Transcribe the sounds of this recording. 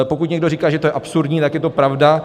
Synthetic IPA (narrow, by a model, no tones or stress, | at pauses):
po̞kut̪ɲɛɡdo̞riːkaːʒɛt̪ojɛʔapsuɾdɲiːt̪akjɛt̪o̞pɾavda